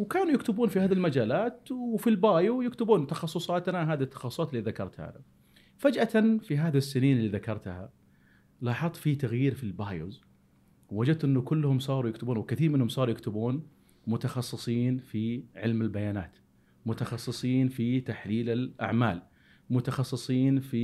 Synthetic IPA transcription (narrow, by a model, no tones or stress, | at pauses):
wkaːnujɪkt̪ɪbuːnfihaːðilmad͡ʒaːlaːt̪wfilbaːjujɪkt̪ɪbuːnt̪ɑxɑsˤːʊsˤɑːt̪naɦaːðit̪ːɑ̥xɑsˤsɑːt̪ɪlːiðakɑɾˤt̪ha̰na | fad͡ʒʔat̪anfiɦaːðasːɪniːnɪlːiːðakɑɾˤt̪ha̰ | lɑːħɑðˤfit̪aɣjiːɾfilbaːjṵz | wwad͡ʒad̪̚t̪ʔɪnːʊkʊlːhʊmsˤɑːɾˤujɪkt̪ʊbuːnwɪkɪθiːɾmɪnːhʊmsˤɑːɾˤujɪkt̪ɪbuːn | mʊt̪ɑxɑsˤːɨsˤiːnfiʕɪlmɪlbajaːna̰ːt̪ | mʊt̪ɑxɑsˤːɨsˤiːnfit̪aħliːlɪlʔa̰ʕma̰ːl | mʊt̪ɑxɑsˤːɨsˤiːnfi